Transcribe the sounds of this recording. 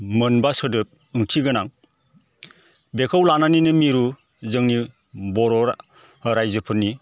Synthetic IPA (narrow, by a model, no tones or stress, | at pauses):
mɯnbasɯdɯp̚ | ɯŋtʰiɡɯnaŋ | bekʰawlananinɯmiɾu | zɯŋni | bɔɾɔɾ | ɾajzɯpʰɯɾnːi